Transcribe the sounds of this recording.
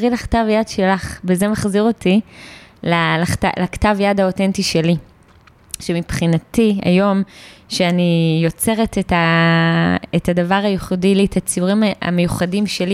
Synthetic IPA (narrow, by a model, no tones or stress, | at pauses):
ʁilaχtavjadʃelaχbeze̞maχziʁo̞tilalaχta̰laktavjadhao̞tentiʃe̞li | ʃemipχinatia̰jo̞mʃeanijo̞t͡se̞ʁeteta | etadavaʁajeχudilitat͡siuʁimaa̰mejuχadimʃe̞li